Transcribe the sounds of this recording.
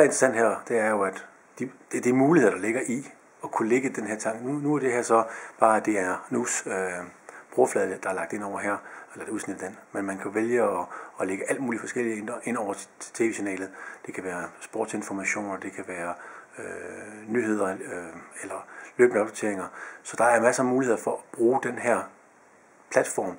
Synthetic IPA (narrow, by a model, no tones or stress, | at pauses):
æɐe̝nd̥ʁɐsæn̰d̥ɦæɐ̰d̥e̝æɐjo̝æd̥ | d̥id̥ed̥imuːliheð̰ˠɐd̥ɑ̈le̝ɡ̥ɐʔi | ɒ̽kʰuleɡ̥əd̥enɦæɐ̰t͡sʰɑ̈ŋ̰ɡ̥nunuæɐd̥e̝ɦæɐ̰sɒ̽b̥ɑ̈ːæd̥e̝æɐnusøb̥ʁoɐflɛðˠəd̥ɑ̈æɐlɑ̈ɡ̥d̥e̝n̰ɒʊ̰ɐɦæɐ̰elɐd̥euðˠsnid̥d̥enmenmænkʰæʋeljəɒ̽ːleɡ̥əʔæl̰d̥muːlifɒ̽sɡ̥el̰ien̥ɐʔe̝nɒʊ̰ɐt͡sʰt͡sʰe̝ːʋeɕinɛ̰ːlð̩ˠd̥e̝kʰæʋæːɐsb̥o̝̰ːd̥se̝nfɒmæɕo̝̰ːnɒd̥e̝kʰæʋæːɐønyɦe̝ð̞̰ˠɐ | elɐlø̰ːb̥nəɒb̥̚d̥ot͡sʰe̝ɐe̝ŋɐsɒ̽d̥ɑ̈æɐmæsɐmuːlihe̝ð̰ˠɐfɒ̽ɒb̥ʁuːd̥enɦæɐ̰ | pʰlæd̥fɒ̰ːm